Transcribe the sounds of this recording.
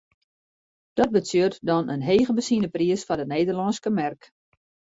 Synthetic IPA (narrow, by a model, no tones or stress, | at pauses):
d̥ɔt̚bətøərtdɔnənɦeːɣəbəsinəpriəsfɔdəneːdərlɔnskəmɛrk